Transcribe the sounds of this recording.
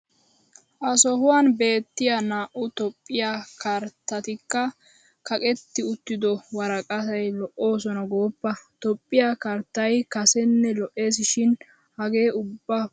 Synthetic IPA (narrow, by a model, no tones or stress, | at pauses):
ʔɐsɔɦʊwaːnbe̞ːt̪ːɪjanaːʔʊt̪ɔpʼːɪjaːkɐɾt̪ːɐt̪ɪkːɐ | kɐkʼɛt̪ːɪʊt̪ːɪd̪ɔwɐɾɐkʼɐsɐjlɔʔo̞ːsɔnɐɡoːpːɐt̪ɔpʼːɪjakɐɾt̪ːɐjkɐsɛnːɛlɔʔe̞ːsɪʃɪn | hɐɡe̞ːʊbːɐ